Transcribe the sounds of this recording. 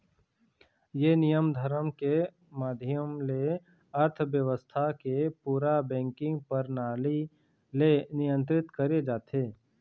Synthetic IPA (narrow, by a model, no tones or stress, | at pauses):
jenijəmd̪ʱəɾəmke | maːd̪ʱɪjəmle | əɾt̪ʰʋjəʋəst̪ʰakepuːɾabɛ̃ːŋkɪ̃ŋɡ̚pɐɾnaːli | lenijə̃nt̪̬ɾɪt̪kəɾed͡ʒaːt̪eː